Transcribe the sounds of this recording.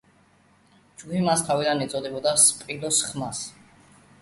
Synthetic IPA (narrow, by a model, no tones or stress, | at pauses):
d͡ʒɡupimast̪ʰavid̪anit̪sʼɔd̪ɛbɔd̪aspʼilɔsχmas